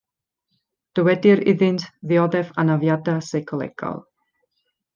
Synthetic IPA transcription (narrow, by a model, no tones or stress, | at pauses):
d̥əwɛdɪɾɪ̰ðɪntʰðɪɔdɛvanavjadasekʰɔlˠɛ̰ɡ̥a̰lˠ